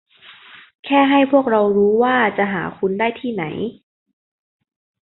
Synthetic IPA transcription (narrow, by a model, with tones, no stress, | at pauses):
kʰɛː˥˩ɦa˥˩jpʰu˥˩ək̚ɾa˧wɾuː˦˥waː˥˩t͡ɕa˨˩ʔɦaː˩˦kʰu˧ndaː˥˩jt̪ʰiː˥˩na˩˦j